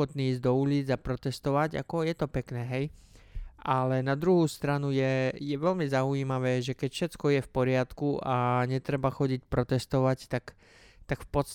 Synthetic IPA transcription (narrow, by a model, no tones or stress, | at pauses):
ɔt̪niːiːzɟd̪ɔuliːd͡zapɾɔt̪ɛst̪ɔʋaɟa̰kɔjɛt̪ɔpɛknɛːɦɛj | ʔalɛnad̪ɾuɦuːst̪ɾanujɛjɛʋɛʎmizaujiːmaʋɛːʒɛkɛcfʃɛtt͡skɔjɛfpɔɾɪat̪kuaɲɛt̪ɾɛbaxɔɟicpɾɔt̪ɛst̪ɔʋact̪ak | t̪akfpɔt̪st̪